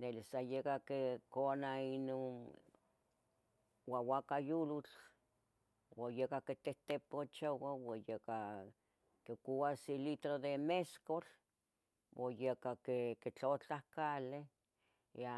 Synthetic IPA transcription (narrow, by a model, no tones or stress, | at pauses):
nelisajekakekonainon | wawakajulut͡ɬ | wajekaket̪eht̪epot͡ʃowawajeka | kekuwasilit̪ɾod̪emeskol | wojekakeket͡ɬot͡ɬahkale | a